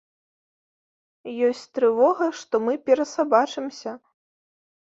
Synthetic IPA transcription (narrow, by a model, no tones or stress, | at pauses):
jɔsʲt͡sʲt̪ɾɨvɔɣɐʂt̪ɔmɨpʲɛɾɐsabat͡ʂɨmsʲɐ